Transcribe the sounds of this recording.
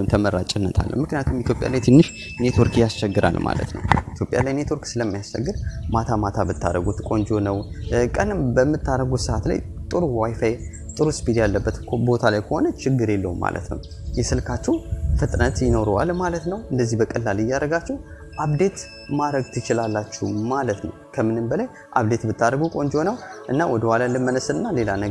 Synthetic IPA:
nt̪ʰəməɾːat͡ʃʼɪnːət̪ʰa̰lːʔə̰wmɨknijat̪ʰumit̪ʰjopʼja̰lajt̪ʰɨnːɨʃ | net̪ʰoɾkjast͡ʃɛɡːɨɾa̰lma̰lə̰t̪nə̰wʔit̪ʰjo̞pʼja̰lajne̞t̪ʰoɾksɨləmːajast͡ʃːɛ̰ɡːɨɾmat̪ʰamat̪ʰabɨt̪ʰːa̰ɾəɡut̪ʰɨkʼo̞nd͡ʒonəwkʼənɨmbəmːɨt̪ːaɾəɡut̪sɨʔat̪la̰jt̪ʼɨɾuwajfaje | t̪ʼɨɾuspʰid̪jalːəbːət̪bo̞t̪ʰalajkʰəho̞nət͡ʃɪɡːɨɾelːəwuma̰lʔə̰t̪nə̰w | jɛsɨlkʰat͡ʃːɛwfɨt̪ʼnət̪ʼjɪno̞ɾwa̰lmalət̪nəwʔɨnd̪əzːihbəkʼəlːalɨjːaɾəɡat͡ʃːɛw | ʔaβd̪e̞t̪ | maɾəɡt̪ʰɨt͡ʃɪlalːat͡ʃːɛmalət̪nə̰wkʰəmɨnɨmbəlaj | ʔa̰βd̪e̞t̪bɨt̪ːaɾəɡukʼo̞nd͡ʒo̞nəwʔɨnːawɔd̪əhalalɨmːənəsɨnɨnːale̞lanə

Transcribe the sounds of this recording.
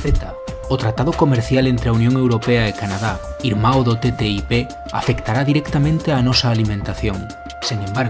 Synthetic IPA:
et̪ɐ | ot̪ɾat̪aðʊkomeɾθjalent̪ɾeaunjõŋewɾopeɐekanaðaiɾmaoðʊt̪et̪eipe | a̰fekt̪aɾaðiɾɛkt̪amẽnt̪eanɔsɐaːlimẽnt̪aθjoŋ | seŋẽmbaɾ

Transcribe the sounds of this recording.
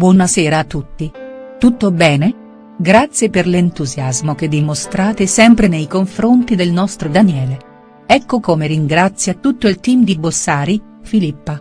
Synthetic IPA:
bwɔnasɛːɾaːt̪ːut̪ːit̪ut̪ːobɛːne | ɡɾat̪sːjeperlent̪uzjazmoked̪ːimost̪ɾaːt̪esɛmpɾenejkoɱfɾont̪id̪elnɔst̪ɾod̪anjɛːle | ɛkːokomeɾiŋɡɾat̪sːjat̪ut̪ːoilt̪iːmd̪ibosːaːɾi | filipːa

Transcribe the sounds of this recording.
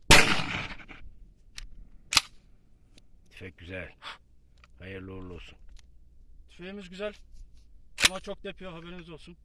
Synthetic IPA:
t̪ʰy̥fɛc̚ɟyzælʲ | hajɯɾlˠɯolˠuolˠsun | t̪ʰy̥feimizɡɟyzælʲ | umat͡ʃʰo̞k̚d̪ejpʰijoɦabeɾimizo̞lˠsun

